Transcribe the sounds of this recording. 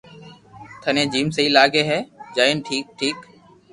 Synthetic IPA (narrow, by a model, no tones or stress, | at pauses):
t̪ʰənẽːd͡ʒiːmsəɦiːlaːɡeːɦɛːd͡ʒaːinʈʰiːk̚ʈʰiːk